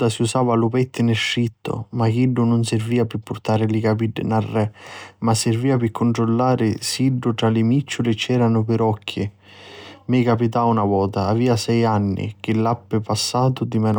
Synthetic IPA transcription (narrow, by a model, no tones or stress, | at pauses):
d̪asiusaːvalʊpɛt̪ːɪnɪʃːit̪ːʊ̰makiɖːʊnʊnsɪrviːapɪpːʊrt̪aːɾɪlikapiɖ̰ːnarːɛmasːɪrviːapɪkʰːʊnt̪ɾʊlːaːɾɪsiɖːʊt̪ɾalɪmit͡ʃːʊlɪt͡ʃːɛːɾanʊpɪɾɔkʰːi | mɪkapit̪aunavɔːt̪aːviːasɛjanːḭk̟ɪlːapːɪpasːaːt̪ʊd̪imɛn